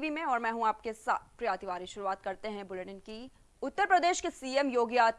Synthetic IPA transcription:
ʋimẽɔːɾmɛ̃ːɦũaːp̚kesa̰ːt̪̚ʰpɾijaːt̪iʋaːɾiʃʊɾuaːt̪kɐɾt̪eɦɛ̃bʊleʈənki | ʊt̪ːəɾpɾəd̪eːʃkesiːemjoːɡjaːt̪

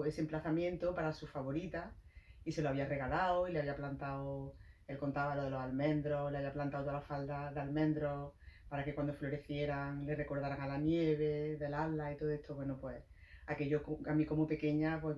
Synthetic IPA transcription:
esemplaθamjent̪opaɾasufaβo̞ɾit̪aise̞loaβiare̞ɣalaoileaβiaplant̪aoelkont̪aβaloðe̞lo̞salmẽ̞nd̪ɾoleaβiaplant̪aowt̪oalafald̪aðealmẽ̞nd̪ɾo̞paɾake̞kwand̪o̞flo̞ɾe̞θje̞ɾaŋle̞re̞ko̞ɾðaɾaŋalanje̞βe̞ðe̞laβlait̪o̞ðoe̞st̪oβwe̞nopwe | ake̞ʎokamiko̞mope̞ke̞ɲapwe

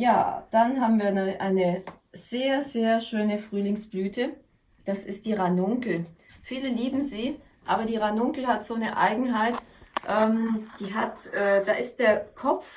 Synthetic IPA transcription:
ja̰ːd̥anɦaːbm̩viːɐnəʔaɪnəz̥eːɐzeːɐʃøːnəfʁ̥yːlɪŋsb̥lyːtʰə | d̥asɪst̚d̥iːʁanʊŋkl̩fiːləliːbm̩ziː | ʔaːbɐdiːʁanʊŋkl̩hatz̥oːnəʔa̰ɪɡŋ̩ɦaɪtʔɛːmd̥iːɦatʔɛːd̥aːʔɪstd̥eːɐkʰɔp͡f

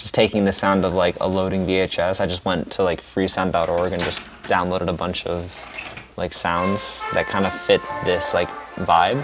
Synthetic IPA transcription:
d̥ʒ̥ʌstʰeɪkɪ̃ŋðɨsãʊ̃ndʌvlaɪkʰə̰loʊɾɪ̃ŋvieɪt͡ʃɛsaɪd͡ʒʌst̚wɛ̃ntʰəlaɪkfɹisãʊ̃ndɑɾɔɹɡɨ̃nd͡ʒʌs | d̥ãʊ̃nloʊɾɨɾəbʌ̃nt͡ʃʌv̥laɪksãʊ̃ndz̥ðɨt̚kʰãɪ̃ndɨfɪt̪̚ðɪslaɪkvaɪb̥̚

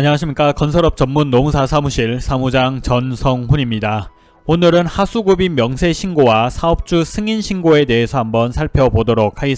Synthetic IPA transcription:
aɲiŋaɕʰimɲik͈akʌnsʰʌɾʌp̚t͡ɕʌmːunːomusʰasʰamuɕʰiɭsʰamud͡ʑaŋt͡ɕʌnsʰʌŋɸuɲimɲida | onɯɾɯnhasʰuɡubimjʌŋsʰe̞ɕʰinɡowasʰaʌp̚t͡ɕ͈usʰɯŋinɕʰinɡoe̞te̞ɦesʰʌambʌnsʰaɭpʰjʌbodoɾok̚ʰaɡe

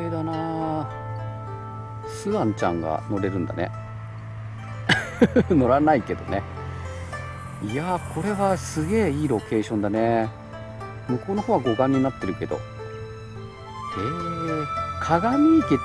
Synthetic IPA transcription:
ed̪anaː | sɨβãɲ̟t͡ɕã̰ŋɡa̰no̞ɾe̞ɾɯ̟̃nd̪a̰nḛ | no̞ɾanaike̞d̪o̞̰ne̞ | iakʰo̞ɾe̞βasɨɡe̞ːiːɾo̞ke̞ːɕõ̞nd̪ane̞ | mɯ̟ko̞ːno̞ɦoːβaɡo̞ɡãɲ̟ːinat̪ːe̞ɾɯ̟ke̞d̪o̞̰ | e | kʰaɡaɲʲiːk̪e

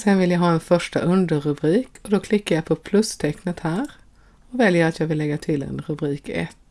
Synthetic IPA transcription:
sɛnvɪljaɦɑːɛnfœʂʈa̰ʔɵnd̪əɾɵbɾiːkɔd̪ɔkʰlɪkːaɾjapʰɔpʰlɵst̪ʰɛknət̪hæːɾ | ɔvɛljəɾat̪jɑːɡvɪlːɛɡːat̪ʰɪlɛ̰nɾɵbɾiːkɛ̰t̪ː

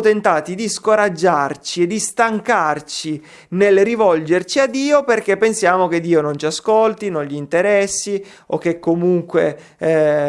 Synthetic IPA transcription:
t̪ent̪aːt̪id̪iskoɾad͡ʒːart͡ʃied̪ist̪aŋkart͡ʃi | nelrivɔld͡ʒert͡ʃiad̪ːiːoperk̟epːensjaːmok̟ed̪ːiːonont͡ʃiaskolt̪inõnʎiːnt̪eɾɛsːi | ok̟ːekːomuŋkwḛ

